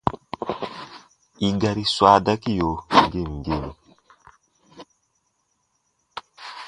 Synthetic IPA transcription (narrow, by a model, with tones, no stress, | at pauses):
i˨ɡa˨ɾi˦swa˨da˦ki˦jo˨ŋ˨ɡe˦˨m˨ɡe˦˨ni˨